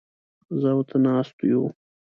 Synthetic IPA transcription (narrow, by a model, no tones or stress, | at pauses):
zawt̪ʰanɑst̪ujṵ